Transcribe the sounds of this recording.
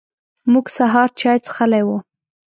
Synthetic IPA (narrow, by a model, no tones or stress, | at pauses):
muɡsaɦɑɾt͡ʃɑjt͡sxalajwu